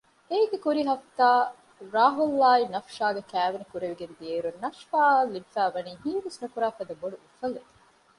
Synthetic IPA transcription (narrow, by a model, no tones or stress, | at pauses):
eːɡekuɾiɦɐft̪aː | ɾaːɦulːaːinɐfʃaːɡekæːʋenikuɾeʋiɡend̪ieːɾunnɐʃfaːɐlːibfæːʋɐniːhiːʋesnukuɾaːfɐd̪ɐboɖuʔufɐled̪i̥